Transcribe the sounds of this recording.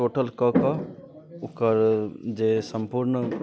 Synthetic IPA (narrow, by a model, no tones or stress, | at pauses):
oːʈəlkəkə | ukəɾd͡ʒesəmpuɾnə